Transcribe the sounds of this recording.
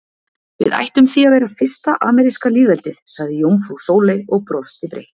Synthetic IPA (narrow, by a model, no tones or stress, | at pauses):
vɪ̰ða̰jht̪ʏmθiaðvɛːɾafɪr̥st̪aʔaːmɛɾiskaliːðvɛlt̪ɪθsaɣðɪjowmfusoːwlɪɔɣpɾɔst̪ɪpɾḛjht̪